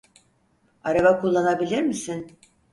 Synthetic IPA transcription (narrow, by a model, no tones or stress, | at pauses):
aɾaβakʰulˠːanabilʲiɾmisin